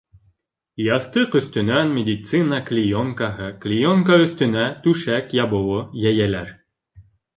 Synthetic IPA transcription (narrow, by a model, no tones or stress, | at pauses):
jɑθt̪ɤqɵ̆θt̪ɵ̆nænmʲed̪ʲit̪sɨnɑklʲijoŋkɑɦɤklʲijoŋkaɵ̆θt̪ɵ̆næt̪ʉʃækjɑbŏwɤjæjælæɾ